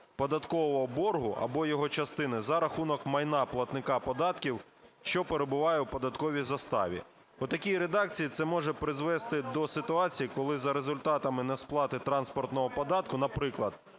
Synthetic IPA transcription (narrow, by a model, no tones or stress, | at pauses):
pɔd̪ɐt̪kɔʋɔɔbɔrɦʊʔɐ̰bɔjɔɦɔt͡ʃɐst̪ɪnɪzɐɾɐxunɔkmɐjnɑplˠɐt̪nɪkɑpɔd̪ɑt̪kʲiw | ʃt͡ʃɔpeɾebʊʋɑjɛwpɔd̪ɐt̪kɔʋʲizɐst̪ɑ̰ʋʲḭ | ɔt̪ɐkʲijɾed̪ɑk̚t͡sʲijit̪sɛmɔʒɛpɾɪzʋɛst̪ɪd̪ɔsɪt̪ʊɑt͡sʲijikɔlˠɪzɐɾezʊlʲt̪ɑt̪ɐmɪnɛsplˠɑt̪ɪt̪ɾɑnspɔrt̪nɔɦɔpɔd̪ɑt̪̚kʊnɐpɾɪklˠɐd̪